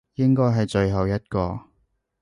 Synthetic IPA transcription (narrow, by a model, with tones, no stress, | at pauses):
jɪ˥ŋkɔː˥jɦɐ˨jt͡ʃɵ˧ɥɦɐ˨wjɐ˥t̚kɔː˧